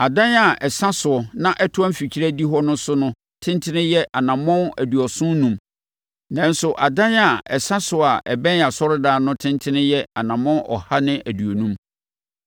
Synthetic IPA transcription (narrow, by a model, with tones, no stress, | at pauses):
a˨dã˦na˨ʔɛ˨sã˦sʊ˨ɔ˨nã˦ʔɛ˦tʰʊ˦ã˦fi˨t͡ɕʰi˦ɾæ˦di˦ɦɔ˦nʊ̃˦sʊ˦nʊ̃˦ | tʰɪ̃˦ntʰɪ˦nɪ̃˦jɛ˦ʔa˨nã˨mɔ̃˦næ˨du˨ɔ˨sʊ̃˦n˦nũ˨m | nã˨n̩˦sʊ˨ʔa˨dã˦na˨ɛ˨sã˦sʊ˨a˨ʔɛ˨bɛ̃˦n˨a˨sɔ˦ɾʊ˦daː˦nʊ̃˦tʰɪ̃˦ntʰɪ˦nɪ̃˦jɛ˦a˨nã˨mɔ̃˦nʔɔ̰˨ha˦nɪ̃˦ʔæ˨du˨o˨nũ˦m